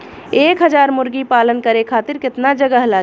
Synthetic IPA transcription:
eːkɦəd͡ʒaɾmʊɾɡipalənkəɾekʰat̪iɾkɪt̪nad͡ʒəɡəɦla

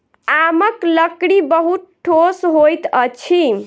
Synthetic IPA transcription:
aməkləkɽibəɦut̪̚ʈʰːosɦojt̪ət͡ʃʰi

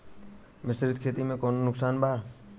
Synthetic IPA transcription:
mɪsɾɪd̪kʰeːt̪imẽkoːnonʊksaːnbʱaː

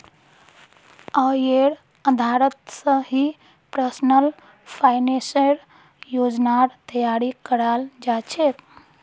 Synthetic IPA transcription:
əjeɾ | əd̪ʱaɾət̪sə̃ɦi | pɾəsnəl | pʰaɪneseɾ | jod͡ʒnaɾt̪əjaɾikəɾald͡ʒat͡ʃʰet̪

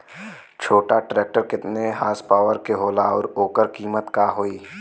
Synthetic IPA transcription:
t͡ʃʰoːʈaʈɾeːk̚ʈəɾkɪt̪neɦaːspaːʋəɾkeɦoːlaɔ̰ːɾoːkəɾkiːmət̪kaːɦoːiː

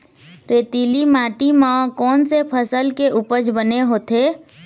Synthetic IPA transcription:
ɾeːt̪iːlimaːʈimãːkɔːnsepʰəsəlkeʔʊpəd͡ʒbəneɦoːt̪eː

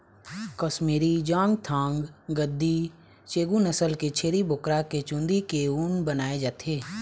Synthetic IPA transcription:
kəsmiːɾid͡ʒãːŋɡt̪ʰãːŋɡɡəd̪ːi | t͡ʃeːɡunəsəlket͡ʃʰeːɾibʊkɾaket͡ʃʊ̃nd̪ikeuːnbənaːed͡ʒaːt̪eː

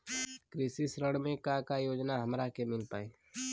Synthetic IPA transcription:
kɾisisɾəɽmẽkakajoːd͡ʒnaɦəmɾakemɪlpa̰ːe

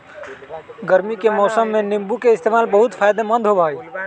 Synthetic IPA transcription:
ɡəɾmikemɔsəmːenimbukeɪst̪emalbəɦut̪pʰajd̪emə̃nd̪ʱɦobʱaj

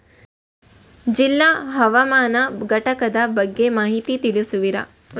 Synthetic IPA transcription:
d͡ʒilːaːɦɐʋɐmaːnɐɡɐʈɐkɐd̪ɐbɐɡːemaːɦit̪it̪ilusuʋiɾɐ̰

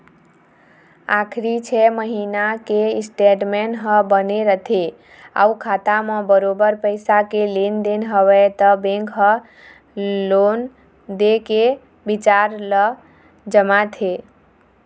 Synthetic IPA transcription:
akʰɾit͡ʃʰɛməɦinakesʈeɖmenɦə̃bəneɾət̪ʰe | a̰ukʰat̪amə̃bəɾobəɾpəɪsakelend̪enɦəʋɛt̪əbẽŋkɦə | lon | d̪eke | bit͡ʃaɾlə | d͡ʒəmat̪ʰe

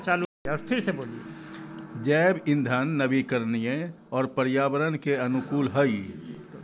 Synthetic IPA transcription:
t͡ʃaːlueɔːɾpʰɪɾseboːlie | d͡ʒɛːbɪ̃nd̪ʱanːəbikəɾnijẽ | ɔːɾpəɾjaːbəɾənkeɐnukuːlɦəi

